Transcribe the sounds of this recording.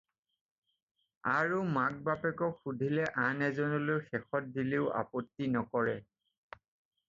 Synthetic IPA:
aɹumak̚bapɛkɔkxudʱilɛʔanɛzɔnɔlojxɛxɔt̚dileʊa̰pɔtːinɔkɔɹɛ

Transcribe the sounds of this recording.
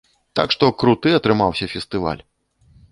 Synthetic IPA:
t̪a̰kʂt̪ɔkɾut̪ɨɐt̪ɾɨmawsʲɐfʲɛst̪ɨva̰lʲ

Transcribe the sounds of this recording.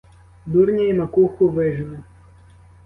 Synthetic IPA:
d̪urnʲɐimɐkuxʊʋɪʒnʊ

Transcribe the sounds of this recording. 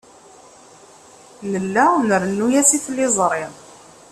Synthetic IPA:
nəlːænəɾənːujæsiθlːɪzˤɾˤɪð

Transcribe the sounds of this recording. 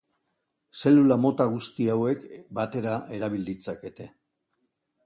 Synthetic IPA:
se̞lulamo̞t̪aɣ̞ust̪iawe̞kbat̪e̞ɾaʔe̞ɾaβ̞ild̪it͡sake̞t̪e̞

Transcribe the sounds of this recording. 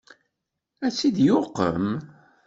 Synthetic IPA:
æt͡sːid̪joqːə̰m

